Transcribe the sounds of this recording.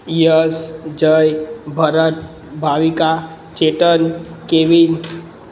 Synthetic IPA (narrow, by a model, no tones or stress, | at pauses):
jəsd͡ʒəjbʱəɾət̪̚ | bʱaʋika | t͡ʃeʈənkeʋi